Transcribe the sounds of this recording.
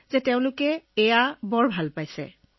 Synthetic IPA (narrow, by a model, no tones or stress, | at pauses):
zɛteʊ̃lʊkɛːjabɔɹbʱalpajsɛ̰